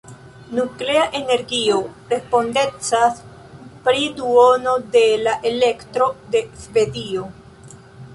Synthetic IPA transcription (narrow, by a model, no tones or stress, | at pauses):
nukle̞aʔe̞ne̞ɾɡio̞ɾe̞spo̞nde̞t͡sas | pɾiduono̞de̞laʔe̞le̞ktɾo̞de̞sve̞dio